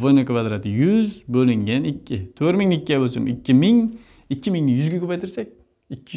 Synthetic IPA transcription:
vojnakvad̪ɾat̪ɪjʊzbolɪŋɡʲanɪkʲʰːɪt̪ʰøɾmɪŋnɪkʲːiabolsmɪ̰kʲːɪmɪŋ | ɪkʰʲːɪmɪŋnɪjyzɡʲakʲʰøpajt̪ʰɪɾsak̚ʲ | ɪkʰʲːɪ

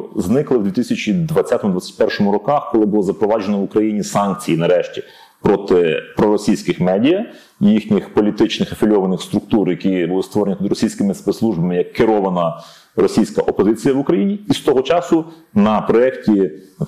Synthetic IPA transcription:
znɪklˠɪwd̪ʋʲit̪ɪsʲɐt͡ʃʲid̪ʋɐt͡sʲːat̪ɔmʊd̪ʋat͡sʲːɛt̪̚ʲpɛrʃɔmʊɾɔkɑxkɔlˠɪbʊlˠɔzɐpɾɔʋɑd͡ʒenɔʋʊkɾɐjinʲisɑnk̚t͡sʲijinɐɾɛʃtʲi̥ | pɾɔt̪ɪpɾɔɾɔsʲijsʲkɪxmɛdʲijɐ | jixnʲixpɔlʲit̪ɪt͡ʃnɪxɐfʲɪlʲɔʋɐnɪxst̪ɾʊk̚t̪uɾjɐkʲibulˠɪst̪ʋɔɾenʲit̪ud̪ɪɾɔsʲijsʲkɪmɪspet̪slˠuʒbɐmɪjɐkːɪɾɔʋɐnɐ | rɔsʲijsʲkɐʔɔpɔzɪt͡sʲijɐʋʊkɾɐjinʲiːst̪ɔɦɔt͡ʃɑsʊnɐpɾɔɛktʲi

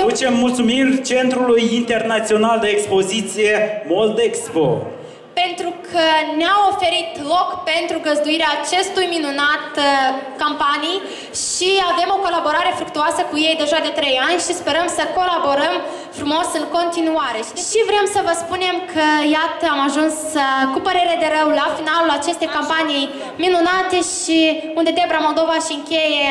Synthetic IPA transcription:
t͡ʃemːult̪sumirt͡ʃe̞nt̪ɾulujint̪e̞rnat̪sio̞nald̪eːkspo̞zit̪sije̞mold̪eksbo̰ | pe̞nt̪ɾukʰəneamo̞fe̞ɾit̪lo̞kpe̞nt̪ɾuɡəzd̪uiɾeaːt͡ʃe̞st̪ujminunat̪kampanij | ʃiave̞mo̞ko̞labo̞ɾaɾe̞fɾuk̚t̪uasəkuje̞jd̪e̞ʒad̪e̞t̪ɾe̞janʲʃispe̞ɾəmsəko̞labo̞ɾəm | fɾumo̞sɨŋko̞nt̪inuaɾe̞ʃiʃivɾe̞msəvəspune̞mkʰəjat̪əamaʒunskupəɾe̞ɾed̪e̞ɾəwlafinalulat͡ʃe̞st̪e̞jkampaniij | minunat̪e̞ʃi | und̪e̞d̪ebɾamo̞ld̪o̞vaʃiɨŋkʲeje̞

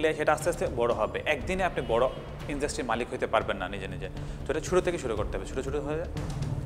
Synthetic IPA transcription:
leʃeʈaast̪east̪ʰebɔɽoɦɔbeʔɛk̚d̪ineapnibɔɽo | inɖasʈɾiɾmalikɦojt̪epaɾbenːa̰nid͡ʑenid͡ʑe | t̪oʈeʃʰuʈut̪ʰekeʃuɾukoɾt̪eɦɔbeʃʰuʈuuʈut̪ɦoa

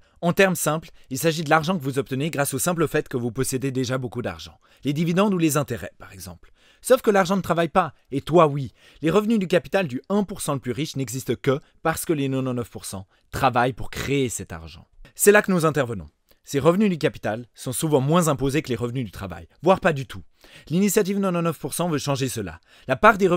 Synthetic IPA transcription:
ɑ̃t̪ɛʁmsɛ̃plilsaʒid̪əlaʁʒɑ̃kəvuzɔp̚t̪əneɡʁasosɛ̃pləfɛt̪kəvupɔsed̪ed̪eʒabokud̪a̰ʁʒɑ̰̃ | led̪ivid̪ɑ̃d̪ulezɛ̃t̪eʁɛ̰paʁɛɡzɑ̰̃pl | sofkəlaʁʒɑ̃nət̪χavajpa | et̪wawi | leʁəvnyd̪ykapi̥t̪ald̪yɛ̃puʁsɑ̃ləplyʁiʃnɛɡzist̪əkə | paʁsə̥kəlenɔ̃nɔnœfpuʁsɑ̃ | t̪χavajpuʁkχeesɛt̪a̰ʁʒɑ̰̃sɛlakənuzɛ̃t̪ɛʁvənɔ̰̃ | seʁəvnyd̪ykapi̥t̪alsɔ̃suvɑ̃mwɛ̃zɛ̃pozekəleʁəvnyd̪yt̪χava̰jvwaʁpad̪yt̪ʰu | linisjat̪ivnɔ̃nɔnœfpuʁsɑ̃vøʃɑ̃ʒesəla̰ | lapaʁd̪eʁə

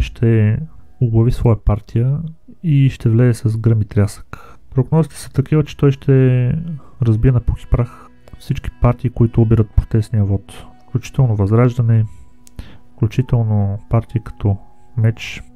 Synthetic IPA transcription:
ʃt̪ʰɛ | ʊɡlˠɐvisvɔjəpaɾt̪ʰijə | iʃt̪ɛvlɛɛsɐzɡɾəmit̪ɾʲasə̥k | pɾoɡnɔzit̪ɛ̥sə̥t̪ɐkivət͡ʃɛ̥t̪ɔjʃt̪ɛ | ɾɐzbiɛnɐpoki̥pɾax | fsit͡ʃk̟i̥paɾt̪iːkoit̪ʊobiɾət̪̚pot̪ɛsnijəvɔt̪fklʲut͡ʃi̥t̪ɛlˠnovɐzɾaʒd̪ɐnɛ | fklʲut͡ʃit̪ɛlˠnopaɾt̪iikɐ̥t̪ʰɔ | mɛt͡ʃ

